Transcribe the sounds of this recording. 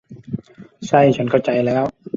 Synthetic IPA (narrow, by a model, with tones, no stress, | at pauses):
sa˥˩jt͡ɕʰa˦˥nkʰa˥˩wt͡ɕa˧jlɛː˦˥w